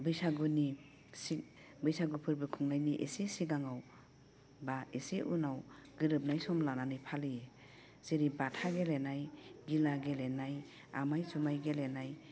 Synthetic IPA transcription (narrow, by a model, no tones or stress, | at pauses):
bɯjsaɡuni | si | bɯjsaɡupʰɯɾbɯkʰuŋnajniʔḛsesiɡaŋaw | baeseʔunawɡ̥ɯɾɯp̚najsɔmlananɯjpʰalij | z̥eɾibatʰaɡelenajɡilaɡelenaj | a̰majsumajɡelenaj